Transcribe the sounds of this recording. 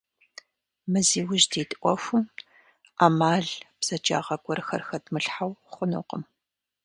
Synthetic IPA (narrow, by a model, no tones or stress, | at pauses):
mɨziːwʊʒdiːtʼʔʷɔxʷʊm | aːmaːɮb̥z̥ɐd͡ʒa̰ːʁɐɡʷʰʼɔrxɐrxɐdmɨɬħawχʷʊnṵːqəm